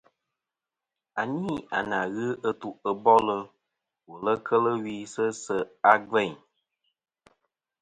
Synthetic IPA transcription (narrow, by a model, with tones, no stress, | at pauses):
a˨niː˦a̰˨na˨ɣɨ˦ə˦tu˨ə˦bɔ˦lə˧ | wo˨lə˦kʰə˦lə˦wi˦sə˦sə˦a˦ɡ͡bɛ˦˨ɲ